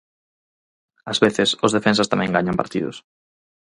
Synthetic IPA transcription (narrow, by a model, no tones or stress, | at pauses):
azβeθɪsʊzð̞efẽns̬ast̪amɛ̃ŋɡaɲampa̰ɾt̪ḭðʊ̰s